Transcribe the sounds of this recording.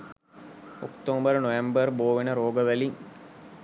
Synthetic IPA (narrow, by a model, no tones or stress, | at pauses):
okt̪oːmbəɾənoʋembərboːʋenəɾoːɡəʋæliŋ